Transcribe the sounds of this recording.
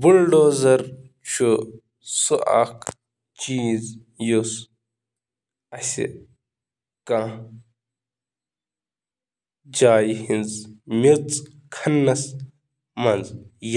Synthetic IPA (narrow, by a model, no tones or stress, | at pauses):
bulɖoːzɐɾ | t͡ʃʰu | suʔa̰kʰ | t͡ʃiz | jos | ɐsḭ | kã | d͡ʒaːjhinzmit͡s | kʰɐnːɐs | mɐnzj